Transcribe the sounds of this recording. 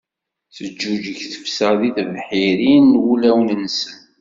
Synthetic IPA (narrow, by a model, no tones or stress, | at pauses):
θəd͡ʒːud͡ʒəçθə̥fsəðiθəvħiɾinːwulæwnənsən